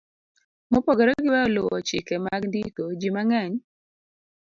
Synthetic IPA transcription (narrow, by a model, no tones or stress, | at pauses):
mɔpoɡeɾɔɡɪwɛɔlowɔt͡ʃɪkemaɡndikod͡ʒimaŋɛɲ